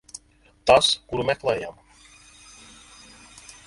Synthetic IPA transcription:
t̪askuɾumɛklˠɛjam

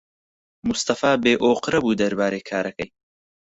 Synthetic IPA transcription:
mʊst̪ɐfaːbeːʔoːqɨɾɐbuːd̪ɐɾbaːɾejkʰaːɾɐkɐj

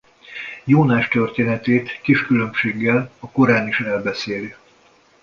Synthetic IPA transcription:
joːnaːʃt̪ørt̪eːnɛt̪eːt̪kiʃkylø̞mʃeːɡːɛlɒko̞ɾaːniʃɛlbɛseːli

